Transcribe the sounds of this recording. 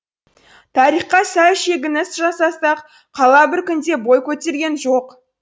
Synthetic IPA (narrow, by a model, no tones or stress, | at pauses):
t̪ʰɑɾiχqɑsæwʃe̞ɡʲɪnɪsʒɑsɑsɑq | qʰɑlˠɑbɪɾkʲʏnd̪e̞bo̞jkʲʰɵt̪e̞ɾɡʲe̞nʒoq